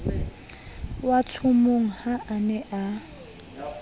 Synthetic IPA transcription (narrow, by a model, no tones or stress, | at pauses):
watʰʊmoŋ̩haʔanɛʔa